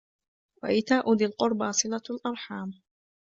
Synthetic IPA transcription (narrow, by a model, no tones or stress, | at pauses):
wa̰ʔɪt̪aːʔʊd̪ɪlqʊɾˤbasˤɨlalʔɑɾˤħaːm